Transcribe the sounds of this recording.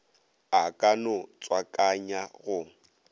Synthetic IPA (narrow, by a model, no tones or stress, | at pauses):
akʼanʊt͡sʼwakʼaɲaɣʊ